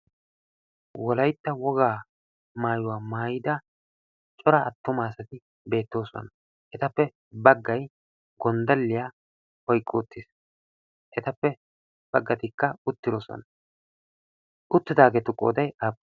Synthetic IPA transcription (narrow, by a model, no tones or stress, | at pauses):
wɔlɐjt̪ːɐwɔɡaː | maːjʊwaːmaːjɪd̪ɐ | t͡ʃʼɔɾɐɐt̪ːʊmaːsɐt̪ɪ | be̞ːt̪ːo̞ːsɔ̰nɐ | ʔɛt̪ɐpːɛ | bɐɡːɐj | ɡɔnd̪ɐlːɪjaː | hɔjkʼːoːt̪ːɪs | ʔɛt̪ɐpːɛ | b̥ɐɡːɐt̪ɪkːɐʊt̪ːɪɾoːsɔ̰nɐ | ʔʊt̪ːɪd̪aːɡet̪ʊkʼːoːd̪ɐjab